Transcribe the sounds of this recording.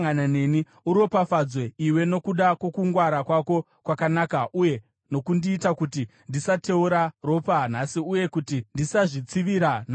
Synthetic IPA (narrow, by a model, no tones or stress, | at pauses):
ŋanane̞ni | uɾo̞pafad͡zweiwe̞no̞kuɗakwo̞kuŋɡwaɾakwako̞ | kwakanaːkaʔuje̞ | no̞kundiːtakutindisate̞uɾaro̞pan̤asiuje̞kutindisaʐit͡siʋiɾana